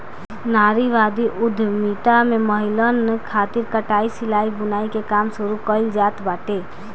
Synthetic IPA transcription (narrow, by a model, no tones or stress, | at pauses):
naːɾiʋaːd̪iʔʊd̪ʱmiːt̪amẽməɦɪlənkʰaːt̪ɪɾkəʈaːisɪlaːibʊnaːikekaːmsʊɾukəɪld͡ʒaːt̪baːʈeː